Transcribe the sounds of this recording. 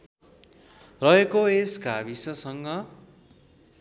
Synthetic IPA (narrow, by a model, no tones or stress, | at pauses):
rʌɦekoesɡabisʌsʌŋɡʌ